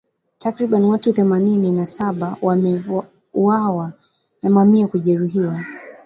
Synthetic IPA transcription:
takɾiɓaniwatuθɛmanininasaɓawamɛ | uwawa | namamiakuʄɛɾuɦiwa

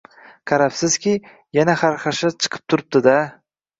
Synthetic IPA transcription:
kʰaɾapsɪz̥kʲɪ | janaχaɾχaʃat͡ʃʰɨ̥qʰɨ̥p̚t̪ʰʊɾɪp̚d̪ɪd̪a

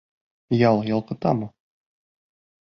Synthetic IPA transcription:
jɑlˠjɒlˠqɤ̆t̪ɑmu

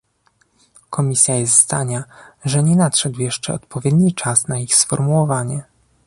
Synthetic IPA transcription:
kʰɔmʲisʲjajɛst̪zd̪aɲaʐɛɲɛnatʂɛd̪wjɛʂt͡ʂɛ̰ɔt̪pɔvʲjɛd̪ɲit͡ʂasnaixsfɔɾmuwɔvaɲɛ

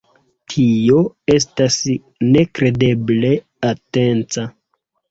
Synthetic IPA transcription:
tʰio̞e̞s̬tas | ne̞kɾe̞de̞ble̞ | ate̞nt͡sa

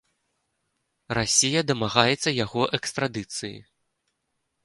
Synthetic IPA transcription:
rasʲijɐd̪ɐmaɣajɛt̪sːɐjaɣɔʔɛkst̪ɾad̪ɨt̪sɨjḭ

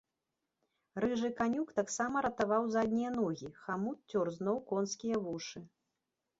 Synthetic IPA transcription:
ɾɨʐɨkanʲukt̪aksamɐɾɐt̪avawzad̪ʲnʲijɐnɔɣʲixamut̪̚t͡sʲɔrznɔwkɔnskʲijɐvuʂɨ

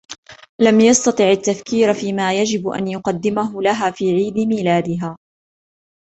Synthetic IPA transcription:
lamjɑst̪ɑt̪ˤɨʕat̪ːafkiːɾfiːmaːjad͡ʒɪbʔa̰njʊqɑd̪ːɪmaɦʊlaɦaːfiːʕiːd̪ɪmiːlaːd̪ɪɦaː

